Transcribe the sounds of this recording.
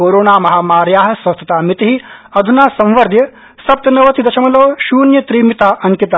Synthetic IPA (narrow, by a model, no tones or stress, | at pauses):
oːɾoːnaːmɐɦaːmaːɾjaːɦɐ̆sʋɐst̪ʰɐt̪aːmit̪iɦiɐd̪ʱunaːsɐ̃mʋɐɾd̪ʱjɐ | sɐp̚t̪ɐnɐʋɐt̪id̪ɐʃɐmɐloːʃuːnjɐt̪ɾiːmit̪aːʔɐŋkit̪a